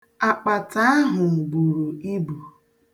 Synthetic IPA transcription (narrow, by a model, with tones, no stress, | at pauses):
a˨k͡pa˨ta˦a˦ɦʊ˨ɡ͡bu˨ɾu˨i˦bu˨